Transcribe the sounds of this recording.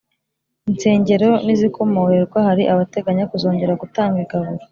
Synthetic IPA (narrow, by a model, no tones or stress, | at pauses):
int͡se̞ːɲɟe̞ɾo̞nizikʰo̞mo̞weɾɡwahaɾiʔaβate̞ɡaɲakuzo̞ːɲɟe̞ɾaɡutaːŋɡiɡaβuɾo